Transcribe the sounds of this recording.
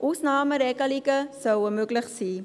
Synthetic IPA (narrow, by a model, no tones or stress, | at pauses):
ʔusnɑːməɾɛkɐlikəsəwəmøkləχsi